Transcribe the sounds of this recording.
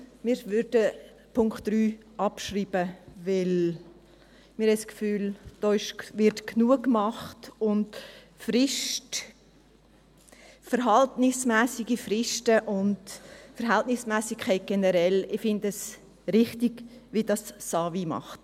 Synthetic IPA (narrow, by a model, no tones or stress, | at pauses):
mɪːɾvʏɾdə | pʰʊŋkχtːryː | ɑpʃriːbəvɪl | mɪɾhɛskfyːld̥oɪʃʋɪɾtknuəkːmɑχtʊnt | fɾɪʃt | fəɾɦɑltnɪsmɛːsɪɡifrɪʃtəʔʊndfəɾɦɛltnɪsmæːsɪkʰɛɪt̚ɡ̥ɛnəɾɛlɪfɪndəs | ɾɪχtɪɡ̥ʋidɑsːɑːvimɑ̰χt